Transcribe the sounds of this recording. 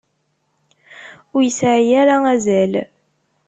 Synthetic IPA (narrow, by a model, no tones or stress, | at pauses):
ʊɾjəsʕijæɾææzæl